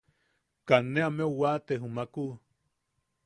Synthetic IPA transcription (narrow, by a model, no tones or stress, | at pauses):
kanːeameuwat̪eɦumaku